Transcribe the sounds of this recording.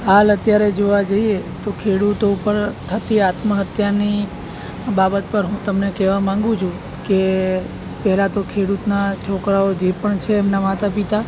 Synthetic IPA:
ɦalət̪jaɾed͡ʒoʋad͡ʒəiet̪okʰeɽut̪opəɾt̪ʰət̪iat̪məɦət̪jaɾni | babət̪pəɾɦũt̪əmnekɛʋamãŋɡũt͡ʃʰũ | ke | pɛɦlat̪okʰeɽut̪nat͡ʃʰɔkɾaod͡ʒepəɳt͡ʃʰeːmnamat̪apit̪a

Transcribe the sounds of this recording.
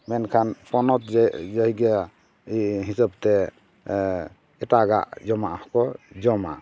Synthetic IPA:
mɛnkʰanpʰɔnɔt̪̚d͡ʒɔɦiɡa | ɦisabt̪ɛ | ɛtaɡa̰ʔd͡ʒɔmaʔhɔkɔd͡ʒɔma̰ʔ

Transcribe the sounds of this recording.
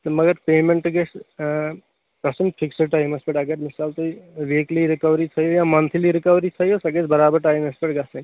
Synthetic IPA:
t̪ɐmɐɡɐɾpeːmẽɳʈɐɡet͡ʃ | pɾɐsɐmfʰɪksəʈaːjmɐspeʈɐɡəɾmɪsaːlt̪oiʋeːkliɾɪkɐʋɾit͡ʃʰɐjojãmɐnt̪ʰliɾɪkɐʋɾit͡ʃʰɐjosɐɡet͡ʃbɐɾaːbəɾʈaːjmɐspeʈɡɐsɐ̃

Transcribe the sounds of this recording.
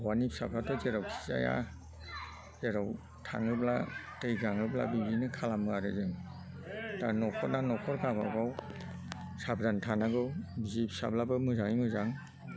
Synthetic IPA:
wanipsablatʰɔzeɾawkʰi̥za̰ja̰ | zeɾaw | tʰa̰ŋɯblatɯjɡaŋɯbla̰bibinɯkʰalamɯaɾɯzɯŋ | tanɔkʰɔnanɔkʰɔɾkabawɡaw | sabdantʰanaɡɯwbizipsa̰blabɯmɯzaŋimɯzaŋ

